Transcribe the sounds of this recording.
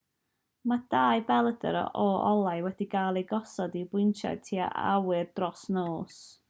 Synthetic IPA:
mad̥aːɨbɛlˠədə̰ɾɔ̰ʔɔɔlˠajwɛdiɡaːlˠeɡɔsɔdibwɪntʰa̰d̚tʰia̰ʔa̰wɨrd̥rɔsnoːs

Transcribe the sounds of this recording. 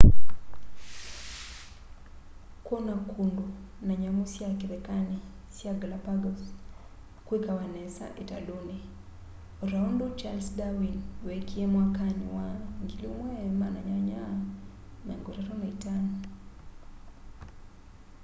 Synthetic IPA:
kwonakʰundu | naɲaŋusjakiɾɛkani | sjaɡlapaɡɔs | kikawanɛsa̰ʔeta̰luni | ɔɾaɔndɔt͡ʃalsdawinwekiemwakanḭwaŋɡilumwɛmanaɲaɲa | naŋɡɔɾɛɾɔnaitanɔ

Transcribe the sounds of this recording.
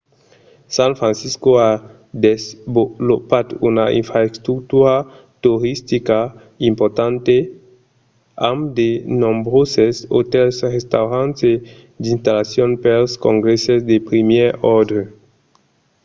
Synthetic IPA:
sãnfɾãnsiskoa | d̪ezbolopad̪unaḭnfɾaest̪ɾuk̚t̪uɾa | t̪uɾist̪ika | impoɾt̪ãnt̪e | amd̪enõmbɾoseso̰t̪elsʁest̪awɾãnt̪e | d̪ĩnst̪alasjonpelskõŋɡɾesesd̪epɾimjeɾɔɾd̪ɾe

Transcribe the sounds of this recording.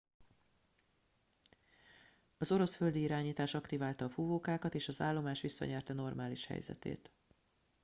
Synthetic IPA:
ɒzoɾo̞sfø̞ld̪iiɾaːɲiːt̪aːʃɒkt̪ivaːlt̪ɒːfuvoːkaːkɒt̪eːʃɒza̰ːlːo̞maːʃʋisːɒ̰ɲɛrt̪ɛno̞rmaːliʃhɛ̰jzɛ̰t̪ḛːt̪

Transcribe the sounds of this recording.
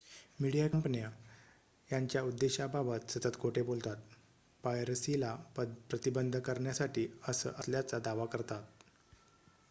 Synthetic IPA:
miɽijakəmpniə | jaɲt͡ɕjaud̪ːeɕabʱabət̪sət̪ət̪kʰoʈʰebolt̪at̪̚ | pajɾəsilapɾət̪ibənd̪ʱəkəɾɳjasaʈiːəsə̰ːʔəsljat͡sad̪aʋakəɾt̪at̪̚

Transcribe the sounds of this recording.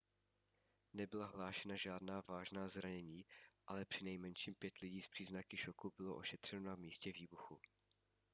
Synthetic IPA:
nɛbɪlaɦlaːʃɛnaʒaːdnaːvaːʒnaːzɾaɲɛɲiːʔalɛpr̝̥ɪnɛjmɛnʃiːmpjɛt̪lɪɟiːspr̝̥iːznakɪʃokubɪloʔoʃɛt̪r̝̥ɛnonamiːscɛviːbuxu

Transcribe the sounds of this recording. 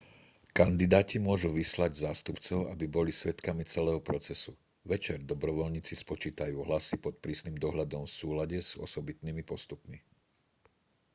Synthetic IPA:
kand̪id̪aːcimʊɔʒuʋislaɟzaːst̪upt͡sɔʊabibɔlisʋɛt̪kamit͡sɛlɛːɦɔpɾɔt͡sɛsu | ʋɛt͡ʃɛɾd̪ɔbɾɔʋɔlɲiːt͡sispɔt͡ʃiːt̪ajuːɦlasipɔt̪̚pɾiːsniːmd̪ɔɦʎad̪ɔmfsuːlaɟɛz̥ɔ̰sɔbit̪nimipɔst̪upmi

